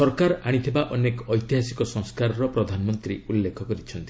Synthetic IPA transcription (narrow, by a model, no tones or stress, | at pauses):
sɔɾkaɾaɽ̃it̪ʰibaʔɔnekɔɔjt̪iɦasikɔsɔŋskaɾɔɾɔpɾɔd̪ʱanɔmɔnt̪ɾiulːekʰɔkɔɾit͡ʃʰɔnt̪i̥